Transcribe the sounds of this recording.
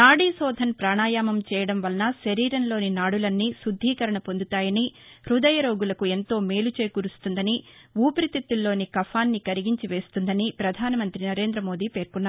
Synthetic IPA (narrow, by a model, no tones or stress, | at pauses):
naːɽiːsɔːd̪ʱɐnpɾaːɳaːjaːmɐmt͡ʃɛːjɐɽɐmʋɐlɐnɐʃɐɾiːɾɐnlo̞ːninaːɽulɐnːisud̪ʱːiːkɐɾɐɳɐpond̪ut̪aːjɐnihɾud̪ɐjɐɾo̞ːɡulɐkue̞nt̪o̞ːme̞ːlut͡ʃeːjkuɾust̪und̪ɐniuːpɾit̪it̪ːulːo̞ːnikɐpʰaːnːikɐɾiɡiɲt͡ʃiʋe̞ːst̪und̪ɐnipɾɐd̪ʱaːnɐmɐnt̪ɾinɐɾe̞ːnd̪ɾɐmo̞ːd̪iːpe̞ːɾkunːaːɾ